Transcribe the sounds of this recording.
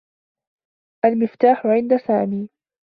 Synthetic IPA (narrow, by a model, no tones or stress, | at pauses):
ʔalmɪft̪aːħʊʕɪnd̪asaːmiː